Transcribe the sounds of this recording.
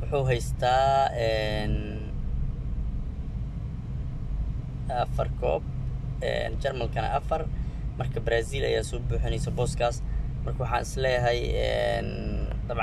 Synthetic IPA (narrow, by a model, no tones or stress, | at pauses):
wʊħuːɦɛjst̪ʰaːɛːn | ɐfɐrkʰɔ̰ːb̚ɛ̰ːnt͡ʃɐrmɐlkʰɐnɐ̰ʔɐfɐrmɐrkʰɐbɾaːsiːlɐ̰jaːsɔːbuːħɪnɛjsɐbɔːskʰaːsmɐrkʰɐwʊħɑ̰ːnɪslɛːjɦɛjɛ̰nd̪ɐβʕ